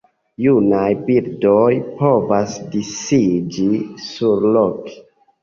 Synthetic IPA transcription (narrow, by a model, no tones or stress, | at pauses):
junajbildojpo̞vasdisid͡ʒisuɾlok